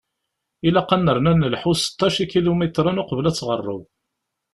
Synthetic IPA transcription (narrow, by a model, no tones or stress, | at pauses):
ilæqːɑnːəɾˤnænəlħusə̥t̪ːɑʃikilumit̪ɾˤənʊqəvlæt͡sːʁərˤːə̰w